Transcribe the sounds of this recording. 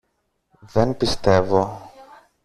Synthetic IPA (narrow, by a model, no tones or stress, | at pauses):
ðenpist̪e̞vo̞